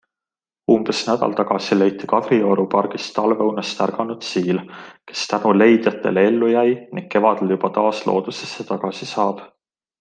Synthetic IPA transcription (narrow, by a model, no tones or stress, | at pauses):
umb̥e̞snæd̪̥ɑ̰lt̪ɑɡ̥ɑsile̞jt̪ːˑikɑd̪̥rio̞ɾupɑrɡ̥ist̪ɑlvewnest̪ærɡ̥ɑnud̪̥siːlke̞̥st̪ænule̞jd̪̥jɑt̪ːˑe̞̰lee̞lːujæjniŋɡ̥̚ke̞vɑd̪̥e̞ljub̥ɑt̪ɑːslo̞̰ːd̪̥use̞sːet̪ɑɡ̥ɑsisɑːb̥